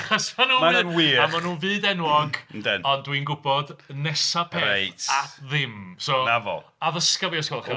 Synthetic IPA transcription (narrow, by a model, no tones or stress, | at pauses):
χɔsmanuːaɨnwiːamanuːvɨːdɛnwɔɡndɛnɔndwinɡʊbɔdnɛsapʰɛejtʰaðɪmsɔnavɔ̰aðəskəvjɔskɔlˠχɛ